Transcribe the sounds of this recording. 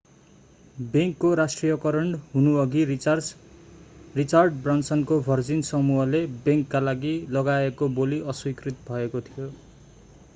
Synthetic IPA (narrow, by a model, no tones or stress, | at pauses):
beŋkːoɾasʈrijʌkʌɾʌɳɖɦunuʌɡir | rit͡sarɖbransʌnkobʱʌrd͡zinsʌmuɦʌlebeŋkːalaɡilʌɡaekoboliʔʌswikrit̪bʱʌekot̪ʰijo